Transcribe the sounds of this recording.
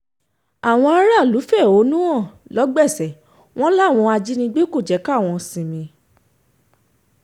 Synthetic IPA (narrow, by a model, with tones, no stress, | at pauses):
a˨w̃ɔ̃˧a˧˦ɾa˦˨lu˨˦fɛ˦˨o˨˦nũ˦ɔ̃˦˨lɔ˨˦ɡ͡bɛ˦˨sɛ˨˦ | w̃ɔ̃˦la˦˨w̃ɔ̃˧a˧d͡ʒi˦nĩ˧ɡ͡be˦ko˦˨d͡ʒɛ˨˦ka˦˨w̃ɔ̃˧sĩ˨mĩ˧˦